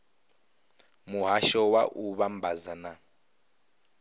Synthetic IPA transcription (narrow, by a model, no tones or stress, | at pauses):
muɦaʃɔwa̰ʔuβambazana